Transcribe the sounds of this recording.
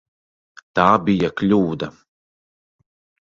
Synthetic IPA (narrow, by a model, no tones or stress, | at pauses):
t̪aːbijaklʲuːd̪a